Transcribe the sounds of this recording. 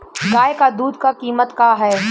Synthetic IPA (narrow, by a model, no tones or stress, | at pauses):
ɡaːekad̪uːd̪kakiːmət̪kaɦɛː